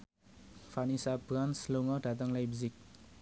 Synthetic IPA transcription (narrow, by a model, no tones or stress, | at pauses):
fʰanisabranslomʌɖat̪̬ʌŋlajbzik̚